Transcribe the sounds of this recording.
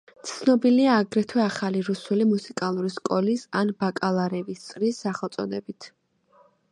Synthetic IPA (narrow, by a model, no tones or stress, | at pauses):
t̪sʰnɔbiliaːɡɾɛt̪ʰwɛaχaliɾusulimusikʼalˠuɾiskʼɔlisanbakʼalˠaɾɛvist̪sʼɾisːaχɛlˠt̪sʼɔnɛbit̪ʰ